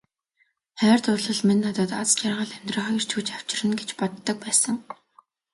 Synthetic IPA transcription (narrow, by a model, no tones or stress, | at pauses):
χœːrt̪ʊrɮɞ̆ɮmenːat̪ɔːt̪at͡st͡ɕarʁə̆ɮæm̥ʲt̪rə̆ːχœjr̥t͡ɕʰuːt͡ɕaw̥t͡ɕɪ̆rɘ̆nɡet͡ɕpɔt̪ːɞ̆k̚pæːsə̆ŋ